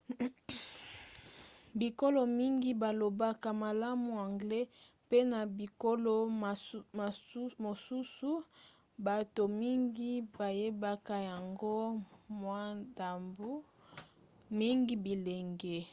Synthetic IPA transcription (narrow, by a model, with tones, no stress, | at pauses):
bi˨ko˦lo˨mi˦ŋɡi˦ba˨lo˨ba˦ka˨ma˨la˦mu˨a˨ŋɡlɛ˦ | pe˦na˨bi˨ko˦lo˦˨˦ | mo˨su˦su˦ | ba˨to˨mi˦ŋɡi˦ba˨je˦ba˦ka˦ja˨ŋɡo˦mwa˦nda˨mbu˦ | mi˦ŋɡi˦bi˨le˨ŋɡɛ˦